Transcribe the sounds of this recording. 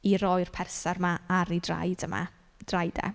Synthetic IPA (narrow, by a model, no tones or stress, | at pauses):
iɾɔjr̥pʰɛrsarmaaɾidra̰jdəma̰ | d̥rajdɛ̰